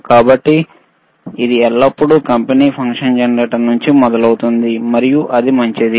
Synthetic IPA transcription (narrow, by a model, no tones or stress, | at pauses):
kaːbɐʈːi | id̪iɛɭːɐpːuɽukɐmpeniːpʰɐŋkʂɐnd͡ʒɐnɐɾeːʈɐɾnuɲt͡ʃimɔd̪ɐlɐwut̪und̪imɐɾijuʔɐd̪imɐɲt͡ʃid̪i